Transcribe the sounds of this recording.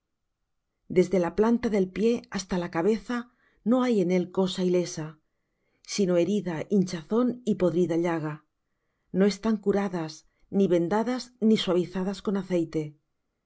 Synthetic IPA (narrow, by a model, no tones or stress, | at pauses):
d̪e̞zðe̞laplant̪aðe̞lpje̞ast̪alakaβ̞e̞θa | no̞aje̞ne̞lko̞saile̞sa | sino̞e̞ɾiðaʔint͡ʃaθo̞nipo̞ðɾiðaʎaɣ̞a | no̞e̞st̪aŋkuɾaðas | niβe̞nd̪aðazniswaβ̞iθaðasko̞naθe̞jt̪e̞